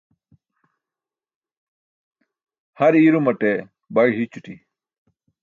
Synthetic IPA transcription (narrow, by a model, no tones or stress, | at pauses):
hɐɾiːɾumɐʈe | bɐɽɦit͡ɕuʈi